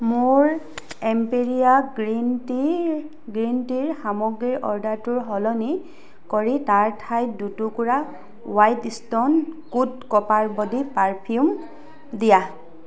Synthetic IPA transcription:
mʊɹɛmpeɹijaɡɹinti | ɡɹintiɹxamɔɡɹiɹʔɔɹdaɹtʊɹɦɔlɔni | kɔɹitaɹtʰajdutukuɹa | wajtistɔnkutkɔpaɹbɔdipaɹpʰium | dija

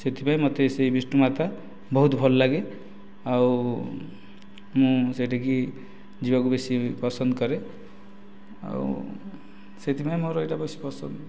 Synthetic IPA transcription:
set̪ʰipaj̃mɔt̪esejbisʈumat̪a | bɔɦut̪bʱɔllaɡe | aw | mũseʈaki | d͡ʒibakubesipɔsɔnd̪kɔɾe | a̰w̰ | set̪ʰipaj̃moɾoeʈabʌsi̥pɔsɔnd

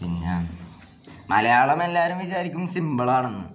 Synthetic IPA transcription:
pinːa | mʔɐlɐjaːɭɐme̞lːaːɾumʋit͡ɕaːɾikʲːumsimbɐɭaːɳonːṵ

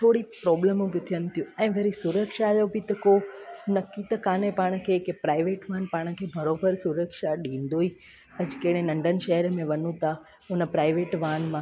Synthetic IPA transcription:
t̪ʰoːɽipɾɔːbləmũbɪt̪ʰijənɪ̆t̪ʰijũɛ̃ːʋɐɾisʊɾəkʃajobɪt̪ɐkonɐkit̪əkaːnepaːɽ̃kʰekpɾaːɪʋeːʈʋaːnpaːɽ̃kʰeːbʱɐɾoːbəɾsʊɾəkʃaɗĩːn̆d̪oːi | ɐd͡ʑkɐɽ̃ẽnɐ̃ɳɖənɪ̆ʃɐɦəɾmẽʋɐnũt̪a | ʊnə̆pɾaːɪʋeːʈʋaːnmã

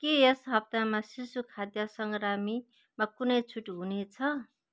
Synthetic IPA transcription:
kejesɦʌb̚t̪amasisukʰad̪jʌsʌŋɡɾami | makunʌjt͡sʰuʈɦunet͡sʰʌ

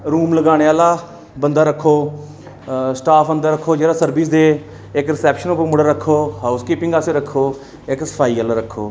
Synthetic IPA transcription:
ɾuːmləɡaːɽ̃eːaːlaː | bənd̪aːɾəkʰːoː | sʈaːpʰə̃nd̪aːɾəkʰːoːd͡ʒeːɽaːsəɾbɪs̬d̪eː | ɪkɾɪsɛːpʃənopəmɽəɾəkʰːoːɦaːʊskiːpɪ̃ŋɡaːseːɾəkʰːoː | ɪksə̥pʰaːiːaːlaːɾəkʰːoː

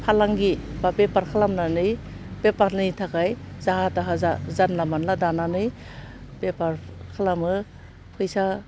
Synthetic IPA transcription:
pʰalaŋɡibapepaɾkʰalamnanɯj | pepanɯtʰakajzaɦataɦaazanlamanladananɯj | bepaɾkʰalamɯ | pʰɯjsa

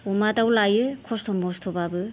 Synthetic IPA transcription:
umadawlajɯkʰɔstʰɔmɔstʰɔbabɯ

